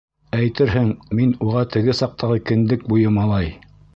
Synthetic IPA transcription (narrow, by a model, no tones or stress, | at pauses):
æjt̪ɘɾɦɘŋminuʁɑt̪ɘ̆ɡɘsɑq̚t̪ɑʁɤkɘ̆nd̪ɘk̚bujɤmɑlˠɑj